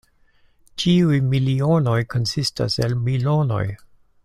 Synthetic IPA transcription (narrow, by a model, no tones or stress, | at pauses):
t͡ʃiujmiliono̞jkʰo̞nsista̰se̞lmilo̞no̞̰j